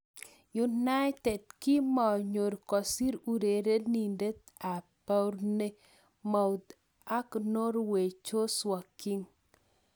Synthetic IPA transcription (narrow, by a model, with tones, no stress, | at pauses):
ju˨na˦jtɛ˨d̚kɪ˦mɔ˨ɲo˨ɾkɔ˨si˦ɾu˨ɾe˨ɾe˦ni˨nde˦t̪a˨pa˦wɾne˦ | ma˨wd̪ | a˦kno˦ɾwe˨t͡ʃo˦swa˨kːi˦ŋ